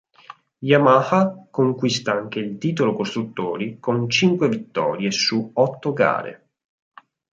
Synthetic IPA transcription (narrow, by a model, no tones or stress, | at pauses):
jamahakoŋkwist̪aaŋk̟eilt̪iːt̪olokost̪ɾut̪ːoːɾikont͡ʃiŋkwevit̪ːɔ̰ːɾjesuɔt̪ːoɡa̰ːɾḛ